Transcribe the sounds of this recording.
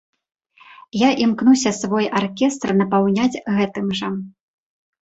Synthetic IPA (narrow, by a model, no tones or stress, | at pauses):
jaʔimknusʲɐsvɔjarkʲɛst̪rnɐpawnʲad͡zʲɣɛt̪ɨmʐɐ